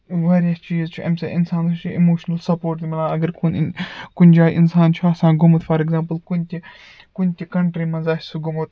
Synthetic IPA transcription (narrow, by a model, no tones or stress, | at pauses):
ʋaːɾijɐst͡ʃiːzt͡ʃʰiɐ̰msɐʔɪnsãːnɐt͡ʃʰiimoːʃnɐlsɐpoːɾʈd̪imɐlaːɐɡɐɾkunkʊnʲd͡ʒaːjʔɪnsaːnt͡ʃʰiɐsãːnɡʊmɐt̪fɐɾeɡzãːmpəlkunʲt̪ʲi | kunʲt̪ʲikɐɳʈɾimɐnzaːhsuɡʊmot̪